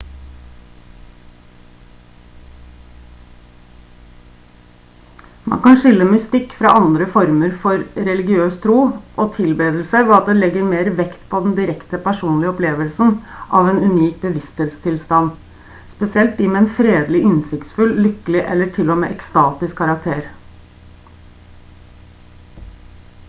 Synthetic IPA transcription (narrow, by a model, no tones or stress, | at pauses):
mɑ̰nkɑnʂɪlːəmʏst̪ɪkːfɾɑ̰ʔɑnd̪ɾəfɔɾməɾfɔɾɾɛlɪɡɪøːst̪ʰɾuːʔɔt̪ʰɪlbeːd̪əl̩səʋɛɑt̪̚d̪ɛlɛɡːəɾmeːɾʋɛkt̪pʰɔd̪ɛnd̪ɪɾɛkt̪əpʰæʂuːnlɪəɔpleːʋəlsn̩ʔɑ̰ʋeːnʉniːk̚bəʋɪst̪heːt̪st̪ʰɪlst̪ɑnː | spɛsɪɛlt̪̚d̪ɪmɛːɛnfɾeːd̪lɪʔɪnsɪkt̪sfʉllʏkːəlɪʔɛ̰lːəʈʰɪlːɔmḛːʔɛkst̪ɑːt̪ɪskʰːɑɾɑk̚t̪ʰeːɾ